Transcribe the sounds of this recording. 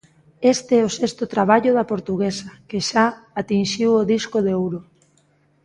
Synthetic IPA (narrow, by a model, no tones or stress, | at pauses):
est̪eɛosest̪ʊt̪ɾaβ̞aʎʊðɐpoɾt̪uɣesakeʃaat̪inʃiwoðiskoðeowɾo